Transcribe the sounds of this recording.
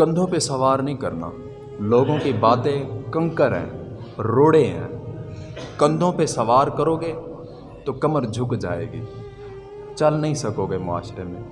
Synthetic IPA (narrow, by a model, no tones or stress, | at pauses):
kə̃nd̪ʱõpesɐʋaːɾnɐɦĩkɐɾna̰ː | loːɡõkibaːt̪ẽkə̃ŋkəɾɦɛ̰̃ː | ɾoːɽeɦɛ̰̃ː | kə̃nd̪ʱõpesɐʋaːɾkəɾoːɡe | t̪okɐməɾd͡ʒʱʊkd͡ʒa̰ːḛːɡḭː | t͡ʃɐlnɐɦĩsɐkoːɡemʊa̰ːʃɾemḛ̃ː